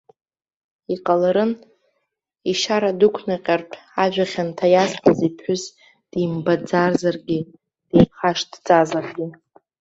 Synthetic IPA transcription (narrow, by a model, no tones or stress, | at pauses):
iqʼalaɾɨn | iʃaɾadukʷʰnaqʲʼarpʰʼaʒᶣaχʲantʰajaspʰazipʰħʷʊz | d̥imbad͡zarzarɡʲi | d̥ejχaʂdt͡sʼazarɡʲi